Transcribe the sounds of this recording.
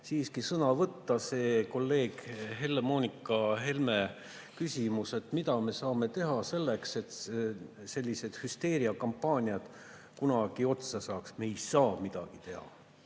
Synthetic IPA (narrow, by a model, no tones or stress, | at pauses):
siːskisɤnɑvɤt̪ːɑse̞ːko̞lːe̞ːɡ̥ɦe̞lːemo̞ːnʲikːˑɑɦe̞lme̞ | kysʲimuse̞t̪ːˑmid̪ɑme̞sɑːme̞t̪e̞ɦɑse̞lːe̞kse̞t̪ | se̞lʲːise̞d̪̥hyst̪e̞ːɾiɑkɑmpːɑːnʲiɑd̪̥ | kunɑɡ̥io̞t̪sɑsɑːksme̞jsɑːmid̪̥ɑ̰ɡ̥it̪e̞hɑ̰